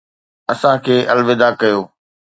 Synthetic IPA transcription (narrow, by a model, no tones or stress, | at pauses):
ɐsãkʰeːʔɐlʋɪd̪akɐjoː